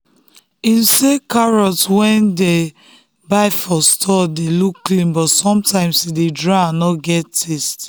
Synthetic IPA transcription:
ĩnsekaɹɔtwɛ̃nde | baɪfɔstʰɔdelukːlĩmbɔtsɔ̃mtãɪ̃msidedɹaãnɔɡɛtːʰest

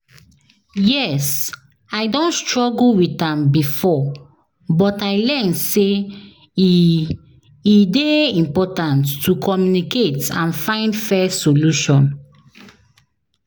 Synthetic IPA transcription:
jɛs | aɪdõnstɹɔɡulwitãmbifɔ | bɔtajlɛnse | ideĩmpɔtãntːukʰɔmjuniketãnfãɪ̃ndfɛsoluʃɔ̃n

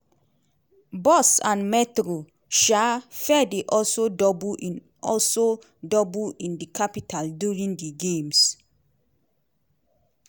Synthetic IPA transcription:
bɔsãnmɛtɹo | ʃafɛdeʔɔlsodɔbuʔĩn | ɔlso | dɔbuĩndəkʰapitʰalduɹĩŋdəɡẽms

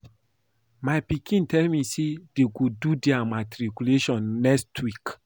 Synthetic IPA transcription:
maɪpikʰĩntɛlmisedeɡodudɛamatɾikuleʃɔ̃nːɛkstʰwik

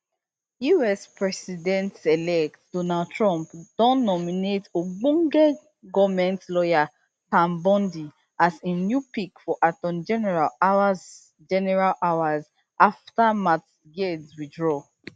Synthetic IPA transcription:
juɛspɹɛsidɛ̃ntɛlɛk̚td̥onald̚tɹɔ̃mpd̥ɔ̃nːɔminetoɡ͡bũŋɡɛ | ɡɔvmɛ̃ntlɔja | tãmbɔ̃ndi | asĩnjupikfɔʔatɔ̃nd͡ʒɛnɛɹalawaz | d͡ʒɛnɛɹalʔawaz | aftamats | ɡedswidɹɔ

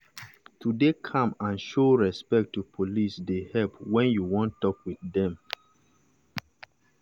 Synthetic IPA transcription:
tʰudekʰãmãnʃoɹɛspɛk̚tːupʰolisdehɛlpwɛ̃njuwɔ̃ntːɔkwiθdɛ̃m

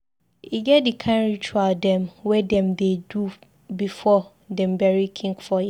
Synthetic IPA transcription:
iɡɛtdikʰãnɹit͡ʃualdɛ̃mwɛdɛ̃mdedu | bifɔ | dɛ̃mbɛɹikʰĩŋkfɔja

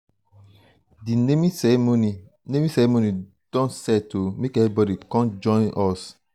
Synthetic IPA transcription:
dinemisɛmoni | nemisɛɾemoni | d̥ɔ̃nsɛtomekɛvibɔdikɔ̃nd͡ʒɔ̃ɪ̃nʔɔs

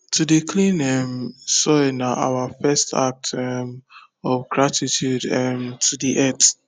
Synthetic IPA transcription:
tʰudekʰlĩnɛmsɔnaʔa̰wafɛsta̰k̚tʰɛm | ɔfɡɹatitjudɛmtʰudiʔɛt

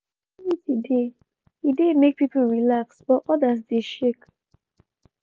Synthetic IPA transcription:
itide | idemek̚pipəl̩ɹilaksbɔʔɔdas̬deʃek

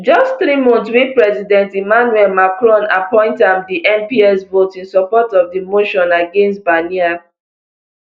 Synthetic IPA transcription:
d͡ʒɔstt̪ɾimɔ̃ntswipɹɛzidɛ̃ntimanuɛlmakɹɔ̃napɔ̃ɪ̃ntãmdiʔɛ̃mpiɛsvotĩnsɔpɔtɔvdimoʃɔ̃naɡẽns̬tbania

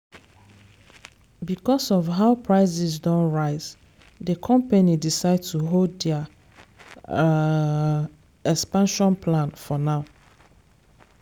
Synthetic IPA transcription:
bikɔsɔfɦaʊpʰɹaɪzisdɔ̃nɹaɪz | dəkʰɔ̃mpanidisaɪd̚tuɦolddɛ | ɛkspãnʃɔ̃npʰlãnfɔnaʊ

